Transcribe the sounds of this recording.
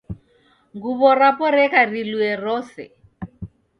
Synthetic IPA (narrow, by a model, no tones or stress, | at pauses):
ŋɡuβɔrapɔɾɛkariluɛrɔːsɛ̰